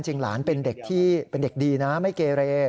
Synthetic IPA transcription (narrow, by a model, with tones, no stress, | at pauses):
nt͡ɕi˧ŋla̰ː˩˦npe˧nde˨˩k̚t̪ʰiː˥˩pe˧nde˨˩k̚diː˧na˦˥ma˥˩jkeː˧ɾeː˧